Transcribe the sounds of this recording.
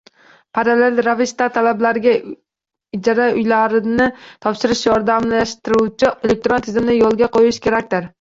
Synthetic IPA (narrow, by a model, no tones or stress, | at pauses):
pʰaɾalelɾavɪst̪at̪ʰalablaɾɪɡʲa | ɪd͡ʒaɾaʊjlaɾɪnɪt̪ʰɒpʃɪɾɪʃjɒɾd̪amlaʃt̪ɪɾut͡ʃʰɪe̞lek̚t̪ɾont̪ʰɪzɪmnɪjɒlˠɡʲaqʰojɪʃkʲʰe̞ɾakʲt̪ɪɾ